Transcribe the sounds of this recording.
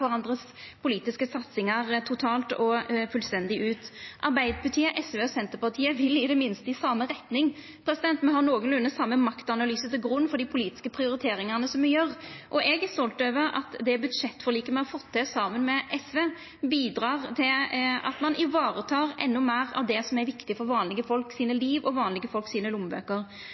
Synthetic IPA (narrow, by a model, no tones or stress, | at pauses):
ɔʁɑnd̪ʁəs | pʰʊliːt̪ɪskəsɑt̪sɪŋɑʁt̪ʰʊt̪ʰɑːlt̪ɔfʉlst̪ɛnd̪ɪʔʉːt̪ʔɑɾbæɪd̪əpʰɑt̪ʰiːəʔɛsʋeːɔsɛnt̪əɾpɑt̪ʰiːəʋɪlɪd̪əmɪnst̪əɪsɑmːəʁɛt̪nɪŋ | pʰɾɛsɪd̪ɛnt̪mɛhɑɾnoːɡənlʉnːəsɑmːəmɑkt̪ɑnɑlyːsət̪ɪlɡɾʉnːfɔd̪ipʰʊliːt̪ɪ̥skəpʰɾɪʊɾɪt̪ʰeːɾɪŋɑʁnəsɔmɛjøʁʔɔʔɛɡæst̪ɔlt̪øːʋəɾɑ̰t̪d̪ɛbʉd̪ʂɛt̪ːfɔʁliːkəmɛhɑfɔt̪ʰːɛsɑmənmɛʔɛsʋeː | biːd̪ɾɑːʁt̪ʰɪlɑ̰t̪mɑnʔɪʋɑːɾət̪ʰɑːɾʔɛ̰nːʊmæːʁɑ̰ʋd̪ɛsɔmæɾʋɪkt̪ɪfɔɾʋɑːnlɪɡəfɔlksiːnəliːʋɔʋɑːnlɪɡəfɔlksiːnəlʊmbø̰ːkəɾ